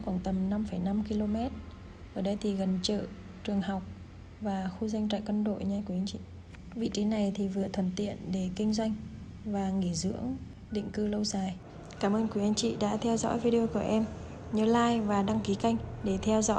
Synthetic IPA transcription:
kwaː˧˩nt̪ə˨˩mna˧mfə˧˩jna˧mki˧lo˧mɛ˦˥t̚ | ʔəː˧˩ɗə˧jt̪ʰi˨˩ɣə˨˩nt͡ɕə̰ː˧˨ | t͡ɕɨ˨˩əŋɦa˨˩wk͡p̚ | vaː˨˩xu˧za˧ŋt͡ɕa̰ː˧˨jkwə˧nɗo̰˧˨jɲa˧kwa˧jŋt͡ɕḭ˧˨ | vḭ˧˨t͡ɕi˨˦na˨˩jt̪ʰi˨˩vɨ˨˩ət̪ʰə˧˩nt̪ḭ˧˨ənɗe˧˩kï˧ŋ̟zwa˧jŋ̟ | vaː˨˩ŋi˧˩zɨ̰˧˥əŋ | ɗḭ̈˧˨ŋ̟kɨ˧lə˧wzaː˨˩j | kaː˧˩mʔəː˧nkwi˨˧˦ʔa˨˧jŋ̟t͡ɕḭ˧˨ɗa̰ː˧˥t̪ʰɛ˧wzɔ̰˧˥jvi˧ɗi˧o˧ku˧˩əʔɛ˧m | ɲɨ˧˩laː˧jvaː˨˩ɗa˧ŋki˨˦ka˧jŋ̟ɗe˧˩t̪ʰɛ˧wzɔ̰˧˥j

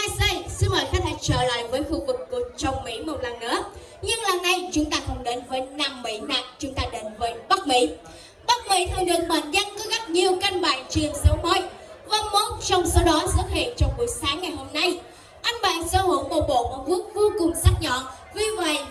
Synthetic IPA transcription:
haː˧jsa˧jsɨ˧nhəː˧˨˩jxaː˧˦nt̪ʰa˧˨˦t͡ɕəː˧˩la̰ː˧˨jvəː˨˦jxṵ˧˩vɨ˨˩kːu˨˩ət͡ɕə˨˧˩wŋ͡mmḭ˧˥m˨˩t̚laː˨˩nnɨ̰˧˥ə | ɲɨ˧ŋlaː˨˩nna˧˩jt͡ɕʊ˨˦ŋ͡mt̪aː˧t̪ʰə˧˩ŋ͡mɗe˨˦nvəː˨˦jnaː˧˩mːḭ˧˥naː˨˩k̚t͡ɕʊ˨˦ŋ͡mt̪aː˧ɗe˨˦nvəː˨˦jɓa˦˥k̚mḭ˧˥ | ɓa˦˥k̚mḭ˧˥t̪ʰə˨˩jlɨ̰˧˨ŋɓə̰˧˨nza˧nkɔ˨˦ɣa˦˥p̚ɲi˨˩əwka˧jŋɓaː˧˨˩jt͡ɕi˨˩əŋsə˨˦wmə˨˦j | va˧˦mo˦˥t̚t͡ɕɔ˧wŋ͡msə˨˦wɗɔ˨˦sɨ˦˥t̚hḭ˧˨ənt͡ɕɔ˧wŋ͡mku˧˩əjsaː˨˦ŋːa˨˩jho˧mna˧j | ʔa˧jŋ̟ɓaː˨˩nsə̰ː˧˦ho˧˦wɓo̰˧˩ɓo̰˧˨mɔ˨˩t̚ku˦˥ək̚vo˧kʊ˨˩ŋ͡mza˦˥t̚ɲɔ̰˧˨ | vi˧˩ve˧˨j

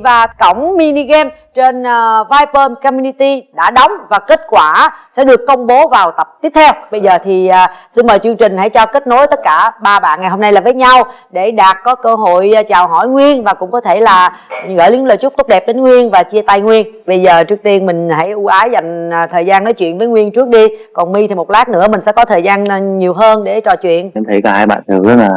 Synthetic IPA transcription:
vaː˨˩kə˧˩wŋ͡mmi˧ni˧ɣɛ˧m | t͡ɕe˧n˧vaː˧jpəː˧mkɔ˧mju˧ni˧t̪i˧ɗa̰ː˧˥ɗə˨˦wŋ͡mvaː˨˩ke˦˥t̚kwaː˧˩sɛ̰˧˥ɗɨ˨˩əkːə˧wŋ͡mɓo˨˦vaː˨˩wt̪ə˨˩p̚t̪i˦˥p̚t̪ʰɛ˧wɓə˧jzəː˨˩t̪ʰiː˨˩˨si˧nməː˨˩jt͡ɕɨ˧əŋt͡ɕï˨˩ŋ̟ha̰˧˥jt͡ɕɔ˧ke˦˥t̚no˨˦jt̪ə˦˥t̚kaː˧˩ɓaː˧ɓa̰ː˧˨nŋa˨˩jho˧na˧jlaː˨˩vəː˨˦jɲa˧w | ɗe˧˩ɗaː˨˩t̚kɔ˨˦kəː˧ɦo̰˧˨jt͡ɕaː˨˩wɦɔ̰˧˩˨jŋwi˧ənvaː˨˩kʊ̰˧˥ŋ͡mkɔ˨˦t̪ʰe˧˩laː˨˩ɣə̰ː˧˥˩ji˧˥ŋləː˨˩jt͡ɕʊ˦˥k͡p̚t̪ʊ˦˥k͡p̚ɗɛ˨˩p̚ɗe˨˦nŋwi˧ənvaː˨˩t͡ɕi˧ət̪a˧jŋwi˧ənɓə˧jzəː˨˩t͡ɕɨ˦˥ək̚t̪i˧ənmï˨˩ŋ̟ɦa̰˧˥˩jʔu˧˩ʔaː˨˦jza˨˩jŋ̟ː˨˩t̪ʰəː˨˩jzaː˧nnɔː˨˦jt͡ɕwḭ˧˨ənvəː˨˦jŋwi˧ənt͡ɕɨ˦˥ək̚ɗi˧kɔ˨˩nmi˧t̪ʰi˨˩mo˨˩t̚laː˦˥k̚nɨ̰˧˥əmï˨˩ŋ̟sɛ̰˧˥kɔ˨˦t̪ʰəː˨˩jzaː˧n˨ɲi˨˩əwɦəː˧nɗe˧˩t͡ɕɔ˨˩t͡ɕwḭ˧˨əna˧˦mt̪ʰi˧˩jkɔ˨˩haː˧jɓa̰ː˧˨nt̪ʰɨ˨˩ɗə˨˦naː˨˩

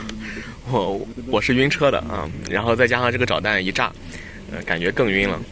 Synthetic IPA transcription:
wɔ˧˩wɔ˨˩ʂɻ̩˥˩i˥nʈ͡ʂʰɤ˥d̪ə̰˨ɐ̰˧ɻa̰˧˥nxo˥˧ʊt͡sa˥˧ɪt͡ɕja˥ʂɑ˥˧ŋʈ͡ʂɤ˥˩ɡə˩ʈ͡ʂɑ˨˩ʊt̪a˥˩ni˧˥ʈ͡ʂa̰˥˩ | ə̰˧ka˨˩nt͡ɕɥɛ˧˥kɤ˥˩ŋi˥nlə̰˨

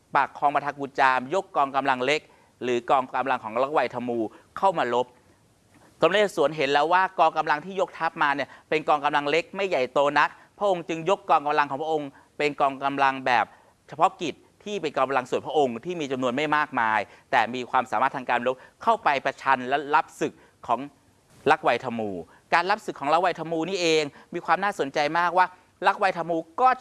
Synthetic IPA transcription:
pa˨˩kʰːɔː˧ŋmpa˧t̪ʰa˧kuː˧˩t͡ɕaː˧mjo˦˥kːɔː˧ŋka˧mla˧ŋle˦˥k̚ | ɾɯː˩˦kɔː˧ŋka˧mla˧ŋkʰɔː˩˦ŋla˦˥wa˧jt̪ʰa˧muː˧kʰa˥˩wmaː˧lo˦˥p̚ | t̪ɔ˧mleː˥˩su˨˩˦ənɦe˩˦nlɛː˦˥waː˥˩kɔː˧ŋka˧mla˧ŋt̪ʰiː˥˩jo˦˥k̚t̪ʰa˦˥p̚maː˧ni˥˩ɐpe˧nkɔː˧ŋka˧mla˧ŋle˦˥k̚ma˥˩jːa˨˩jt̪oː˧na˦˥k̚ | pʰɾʔo˧ŋt͡ɕɯ˧ŋjo˦˥kːɔː˧ŋka˧mla˧ŋʰɔː˩˦pʰʔo˧ŋ | pe˧nkɔː˧ŋka˧mla˧ŋbɛː˨˩p̚ | t͡ɕʰa˧pʰɔ˦˥ki˨˩t̪̚ʰːiː˥˩pe˧nkɔː˧a˧la˧ŋsu˨˩pʰɾʔo˧ŋt̪ʰiː˥˩miː˧t͡ɕa˧mnu˧ənma˥˩jmaː˥˩k̚maː˧jt̪ɛː˨˩miː˧kʰwaː˧msaː˨˦maː˥˩t̪ʰːaː˧kaː˧nlo˦˥p̚kʰa˥˩wpa˧jpɾa˧t͡ɕʰa˧nlɛ˦˥la˦˥p̚sɯ˨˩k̚ʰːɔː˩˦ŋ | la˦˥k̚wa˧jt̪ʰa˧muː˧˩ | kaː˧nla˦˥p̚skʰːŋla˦˥k̚wa˧jt̪ʰa˧muː˧niː˥˩ʔeː˧ŋmiː˧kwaː˧mnaː˥˩so˩˦nt͡ɕa˧jmaː˥˩k̚waː˥˩ | la˦˥k̚wa˧jt̪ʰa˧muː˧kɔː˥˩

